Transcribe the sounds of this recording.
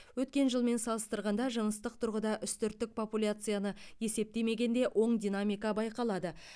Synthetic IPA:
wɵt̪̚kʲe̞nʒəlˠme̞nsɑlˠəst̪əɾʁɑnd̪ɑʒəɴəst̪əq̚t̪ʰʊɾʁəd̪ɑʔʏst̪ʏɾt̪ːɪk̚pʰo̞pulʲat̪sɨjanəje̞se̞p̚t̪e̞me̞ɡʲe̞nd̪e̞ʔo̞ɴd̪ʲinamijkɑbɑjqɑlˠɑd̪ə

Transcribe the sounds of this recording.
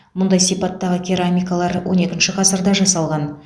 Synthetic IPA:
mʊnd̪ɑjsijpɑt̪ːɑʁəkʲʰeɾamʲijkalˠɑɾwo̞̰ne̞kʲɪnʃɪqʰɑsəɾd̪ɑʒɑsɑlˠʁɑn

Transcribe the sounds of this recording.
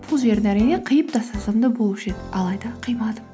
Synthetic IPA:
pʰʊlˠʒe̞ɾd̪ɪæɾijneqʰəjəp̚d̪ɑsɑzɑmd̪əbolˠpʃet̪ɑlˠɑjd̪ɑqʰɨjmɑd̪ə

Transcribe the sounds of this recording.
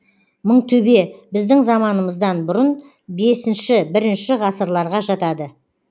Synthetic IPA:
məɴt̪ʰɵbe̞bɪzd̪ɪŋzɑmɑnəməzd̪ɑnbʊɾən | be̞sɪnʃɪbɪɾɪnʃɪʁɑsəɾlˠɑɾʁɑʒɑt̪ɑd̪ə

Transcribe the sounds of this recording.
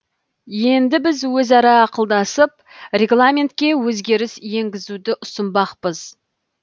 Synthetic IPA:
je̞nd̪ɪbɪzwɵzɑɾɑːqəlˠd̪ɑsəp̚rʲe̞ɡlˠamʲe̞nt̪̚kʲe̞wɵzɡʲe̞ɾɪsje̞ŋɡʲɪzud̪ɪʔʊsənbɑqpəz̥

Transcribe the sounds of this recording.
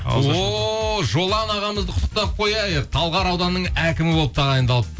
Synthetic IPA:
woʒo̞lˠɑnɑʁɑməzd̪əqʰt̪ːə̥q̚t̪ɑp̚qʰo̞jɑjəq̚t̪ʰɑlˠʁɑɾɑwd̪ɑnːəɴækʲɪmɪbo̞lˠəp̚t̪ʰɑʁɑjənd̪ɑlˠəp̪t̪

